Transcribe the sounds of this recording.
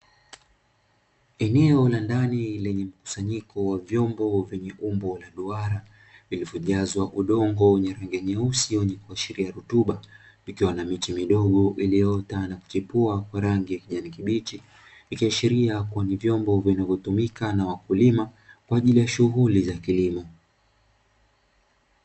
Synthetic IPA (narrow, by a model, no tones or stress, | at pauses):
ɛnɛɔlandanilɛɲɛm̩ku̥saɲikɔwavjɔmbɔvjɛɲɛʔumbɔlaɗuaɾa | ilivjɔʄazwaʔuɗɔŋɡɔwɛɲɛɾaŋɡiaɲausiwɛɲikuaʃiɾiaɾutuɓa | ikiwanamit͡ʃimiɗɔɠɔʔilijɔtanaku̥t͡ʃipuakwaɾaŋɡijakiʄanikiɓit͡ʃiː | kiaʃiɾiakuanivjɔmbɔvinavjɔtumikanawakulimakwaːʄilijaʃuɦulizakilimɔ